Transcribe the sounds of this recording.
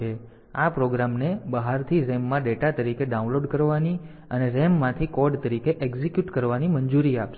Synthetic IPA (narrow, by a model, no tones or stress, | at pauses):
e | apɾoɡɾamnebəɦaɾt̪ʰiɾemːãɖeʈat̪əɾikeɖaũnloɖkəɾʋani | əneɾemːãt̪ʰikɔɾɖt̪əɾikeʔeɡzekjuʈkəɾʋanimənd͡ʒuɾiapʃe